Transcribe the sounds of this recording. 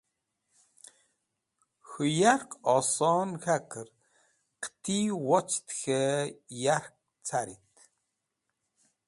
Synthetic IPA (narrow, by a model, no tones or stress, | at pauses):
xujarkɔsɔnxakʰər | qt̪ʰiwɔt͡st̪xejark̚ | t͡sʰaɾḭt̪